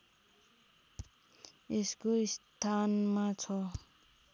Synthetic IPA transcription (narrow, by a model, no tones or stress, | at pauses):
eskoist̪ʰanmat͡sʰʌ